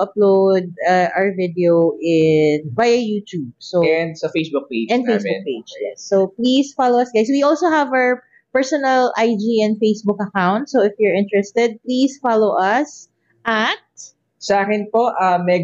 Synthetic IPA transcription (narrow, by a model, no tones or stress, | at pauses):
ɐplod̪̚aʔaəɹvɪd̪ɛoʔɪnbajɐjuːt̪jub̚soɛnd̪sɐfejsbʊk̚ped͡ʒɛ̃nd̪fejsbʊk̚peɪd͡ʒjɛsːoplisfaloɐsɡajswiʔɔlsohɐva | pɛɹsɔnɐlajd͡ʒiɛ̃nd̪̚fejsbʊkɐkawnt̪sowɪfjʊɹɪ̃nt̪ɹɛst̪ɛd̪̚pliːsfalowʔɐs | ʔɐt̪̚ | sɐaːkɪnpoʔamɛ